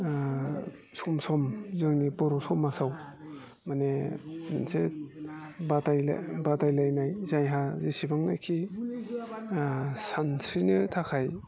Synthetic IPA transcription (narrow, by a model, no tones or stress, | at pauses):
sɔmsɔmzɯŋnibɔɾɔsɔmasaw | maneninse | batajla̰batajlajnajzajɦazisibaŋna̰jkʰi | sansʰɾinɯtʰakʰaj